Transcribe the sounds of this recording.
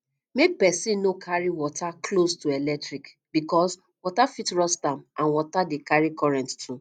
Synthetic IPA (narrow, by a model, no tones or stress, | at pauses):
mepɛsĩnokʰaɹiwɔtʰakʰlostuɛlɛk̚tɹik | bikɔs | wɔtafitɹɔstãmʔãnwɔtadekaɹikʰɔɹɛ̃nttʰu